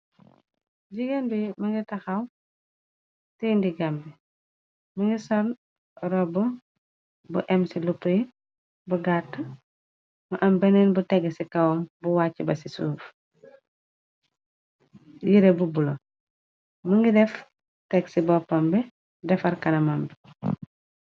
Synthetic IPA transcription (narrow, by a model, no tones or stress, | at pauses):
ɟiɡambimɐŋɡitɐxɐw | tindiɡambi | mɐŋɡisɔn | ɾɔbu | buʔɛmsilupːəji | buɡatːɐ | mɐʔɐmbɛnɛnbutɛɡsikɐwɔmbuwaːcːibɐsisṵːf | jiɾebubulo | mɐŋɡidɛf | tɛɡsibɔpːɔmbɛ | dɛfɐrkɐnɐmɐmbɛ